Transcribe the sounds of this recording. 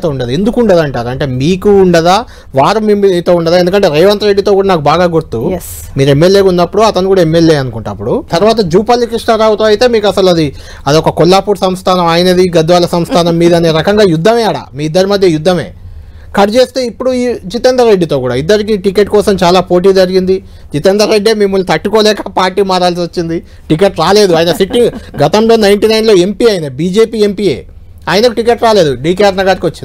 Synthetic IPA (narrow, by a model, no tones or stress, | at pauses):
t̪oːuɳɖɐd̪ue̞nd̪ukuɳɖɐd̪ɐɳʈaːɾuɐɳʈe̞ːmiːkuːɳɖɐd̪aː | ʋaːɾumimiiːt̪o̞ːuɳɖɐd̪aːe̞nd̪ukɐɳʈe̞ːɾeːʋɐnt̪ɐɾe̞ɖːit̪o̞ːkuːɽanaːkubaːɡaːɡuɾt̪u | miːɾue̞mːeljeːkunːɐpːuɽuɐt̪ɐnikuːɽaemːeljeːɐnukuɳʈːɐ̰pːuɽut̪ɐɾuʋaːt̪̬ɐd͡ʒuːpɐlːikɾiʂʈaɾaːut̪aːɐjt̪e̞ːmiːkɐsɐlɐd̪i | ɐd̪iɔkɐkɔlːaːpuːʈsɐmst̪ʰaːnɐmaːjɐnɐd̪iɡɐd̪ʋaːlɐsɐmst̪ʰaːnɐmːiːd̪ɐneːɾɐkɐŋɡaːjud̪ʱːɐme̞ːɐɽa̰miːid̪ːɐɾimɐd̪ʱjɐjud̪ːɐme̞̰ː | kɐɖt͡ʃe̞ːst̪e̞ːipːuɽuit͡ʃit̪end̪ɾɐɾe̞ɖːit̪o̞ːkuːɽa̰id̪ːɐɾikiʈike̞ːʈkɔːsɐmt͡ʃaːlaːpoːʈ̬iːd͡ʒɐɾiɡind̪i | t͡ʃit̪end̪ɾɐɾe̞ɖːieːmimːɐlːut̪ɐʈːukoːlɛːkɐpaːɾʈːiːmaːɾaːlsiot͡ʃːind̪i | ʈik̬eʈɾaːle̞ːd̪uaːjinɐsiʈːiŋɡɡɐt̪ɐmlo̞ːnɐjɳʈiːnɐjnlo̞ːe̞mpiːɐjinɐbiːd͡ʒe̞ːpiːe̞mpiːḛː | aːjinɐkʈike̞ʈɾaːle̞ːd̪uɖiːkejaːɾnɐɡaːɾikiʋɐt͡ʃːind̪